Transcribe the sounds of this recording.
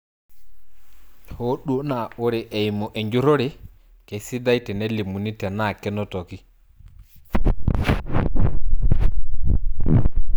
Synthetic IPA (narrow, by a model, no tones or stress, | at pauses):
hoɗunaɔɾɛʔɛjmɔʔɛɲd͡ʒuɾɔɾɛ | kesidajtɛnelːimunitɛnakɛnɔtoki